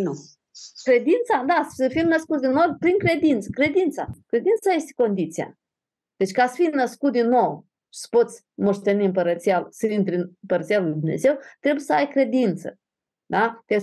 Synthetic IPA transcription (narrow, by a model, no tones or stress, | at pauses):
n | kɾe̞d̪int̪sad̪asəfimnəskut̪ʲd̪inːo̞wpɾiŋkɾe̞d̪int̪sə̥kɾe̞d̪int̪sa̰kɾe̞d̪int̪saje̞st̪eko̞nd̪it̪sija̰ | d̪̥e̞t͡ʃʲkasə̥fijnəskut̪̚d̪inːo̞w | ʃi̥sə̥po̞t̪sʲ | mo̞ʂt̪e̞niɨmpəɾət̪sijalsəint̪ɾʲinmpəɾət̪sijalujd̪umne̞̰ze̞wt̪ɾe̞bujesəajkɾe̞d̪int̪sə̰ | d̪at̪e